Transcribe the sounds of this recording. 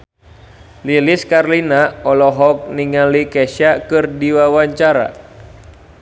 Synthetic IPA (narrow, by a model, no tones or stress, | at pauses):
liliskarlinaɔlɔɦɔk̚niŋalikɛʃakɨrdiwawaɲt͡ʃaɾa̰